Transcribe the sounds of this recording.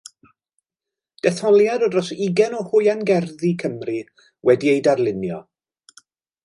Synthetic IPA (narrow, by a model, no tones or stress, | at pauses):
d̥ɛθɔlˠjadɔdrɔsiɡɛnɔhʊjanɡɛrðikʰəmri | wɛdiejdarlˠɪnjɔ